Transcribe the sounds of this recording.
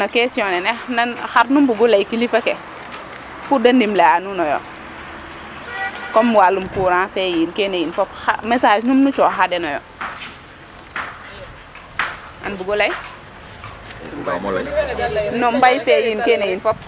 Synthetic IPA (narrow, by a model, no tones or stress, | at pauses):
nɔkɛsiɔnɛnɛnanxaɾnumbuɡulɐjkilifɐkɛ | pudɐndimlɛanunɔjɔ̰ | kɔmːuwalumkuːɾãːfɛjinkɛnejinfɔp̚amɛsaːd͡ʒnumnut͡ʃɔxadɛnɔjɔ̰ | ʔa̰nbuɡɔlɐj | nɔmbajfɛjinkɛːnejinfɔp̚